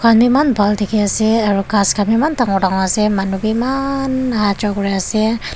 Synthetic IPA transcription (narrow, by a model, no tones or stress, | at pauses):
kamimanbald̪ikiasiaɾukaskamimant̪aŋuɾaŋasɪmanubimanɦat͡ʃɔkɾiasi